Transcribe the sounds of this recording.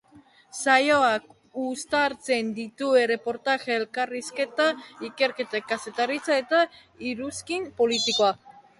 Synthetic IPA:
sajoak | ust̪aɾt͡se̞nd̪it̪ue̞re̞po̞ɾt̪aʝeːlkariske̞t̪aike̞ɾke̞t̪akase̞t̪arit͡sae̞t̪a | iɾuskimpo̞lit̪iko̞a

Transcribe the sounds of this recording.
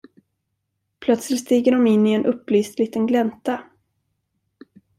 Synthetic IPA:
pʰlœt̪slɪt̪st̪iːɡəɖɔmɪnːɪɛnʔɵpːlyːst̪liːt̪ənɡlɛnt̪a

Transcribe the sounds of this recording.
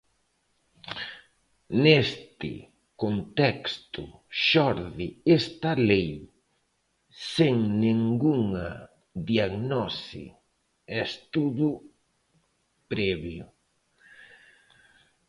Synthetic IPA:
nest̪ɪ̰ | kont̪ɛkst̪ʊʃɔɾðɪest̪ɐlej | seŋnẽŋɡuŋɐ | ðiaɣnɔsḭ | est̪uðʊ | pɾɛβjʊ

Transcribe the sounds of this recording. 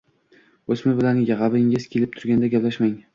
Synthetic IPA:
ɵsmɪbɪlanjaʁɑbɪŋɪz̥kʲʰe̞lɪp̚t̪ʰʊɾɡʲand̪aɡʲaplaʃmaŋ

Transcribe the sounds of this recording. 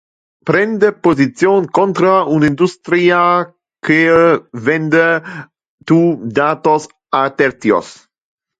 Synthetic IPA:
pɾɛnd̪epozit͡sjoːnkont̪ɾaunind̪ust̪ɾia | kevɛnd̪e | t̪ud̪aːt̪os | at̪ɛɾt̪jo̰s

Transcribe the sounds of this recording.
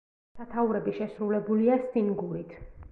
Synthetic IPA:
sat̪ʰauɾɛbiʃɛsɾulɛbuliast̪iŋɡuɾit̪ʰ

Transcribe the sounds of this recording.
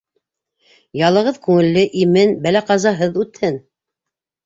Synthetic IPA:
jɑlˠɤ̆ʁɤðkʉŋɘ̆lːɘʔimɘnbælæqɑzɑɦɤðʉt̪hɘn

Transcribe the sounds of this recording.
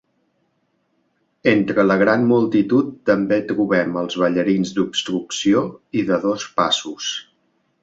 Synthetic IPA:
ent̪ɾələɣɾanmulˠt̪it̪ut̪ːəmbet̪ɾuβɛməlˠzβəʎəɾinzd̪upst̪ɾuksioiðəðospasus

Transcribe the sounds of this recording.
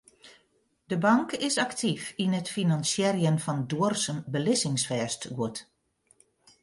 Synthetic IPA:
dəbɑŋkɪsaktʰifinətfinansjɛrjənfɔnduərsəmbəlɪsɪŋsfɛːstɡuət

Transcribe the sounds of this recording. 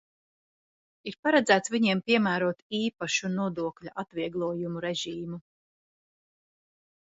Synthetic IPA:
iɾpaɾad̪zæːt̪svʲiɲiɛmpiɛmæːɾuɔt̪iːpaʃunuɔd̪uɔklʲaʔat̪viɛɡlˠuɔjumuɾɛʒiːmu

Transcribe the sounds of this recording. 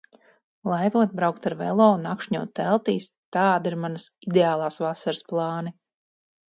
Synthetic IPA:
lˠajvuɔt̪̚bɾawkt̪aɾvɛ̰lˠɔːunakʃɲuɔt̪ːɛlˠt̪iːst̪aːd̪iɾmanɐsid̪eaːlˠaːsvasaɾsplˠɑːni

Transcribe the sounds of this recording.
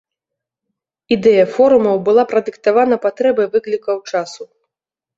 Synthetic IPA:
id̪ɛjɐfɔɾumɐwbɨlˠapɾɐd̪ɨkt̪avanɐpat̪ɾɛbɐjvɨklʲikɐwt͡ʂasu

